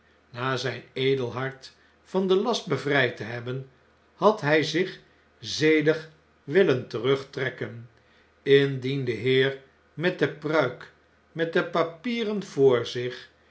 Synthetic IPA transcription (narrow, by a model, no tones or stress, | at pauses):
naːzɛjnejdəlˠɦɑɹt | fɑndəlɑst̚bəvrɛjtəɦɛbən | hɑtɦɛjzɪχ | zejdəχ | ʋɪləntərɵχtrɛkən | ɪndindəɦɪːr | mɛt̚dəprœɥk | mɛt̚dəpapiːrənv̥ʊːɹzɪχ